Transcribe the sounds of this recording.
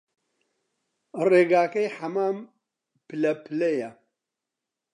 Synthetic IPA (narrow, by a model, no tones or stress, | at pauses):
reːɡaːkɐjħɐmaːm | pɨlɐpʰɨlɐjɐ